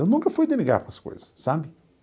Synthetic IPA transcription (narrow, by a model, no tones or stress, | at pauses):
ewnũŋkɐfujd̪emiɡa̰ɾpɾɐsko̰jzɐsːabɪ